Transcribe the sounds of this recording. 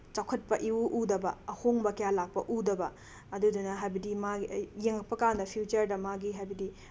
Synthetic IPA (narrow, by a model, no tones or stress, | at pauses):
t͡ʃawkʰɐt̚pɐʔiwuʔudɐbɐɐhoŋbɐkɐjalak̚pɐ̰ʔudɐbɐ | ɐdudunɐɦajbɐdimajeŋɐk̚pɐkandɐpʰijut͡ʃɐɾdɐmaɡiɦajbɐdi